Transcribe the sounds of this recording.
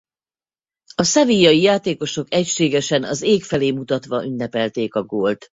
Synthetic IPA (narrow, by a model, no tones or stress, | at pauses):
ɒsɛvijɒjijaːt̪eːko̞ʃo̞kɛcʃeːɡɛʃɛnɒzeːkfɛleːmut̪ɒt̪ʋɒʔynːɛpɛlt̪eːkɒɡoːlt̪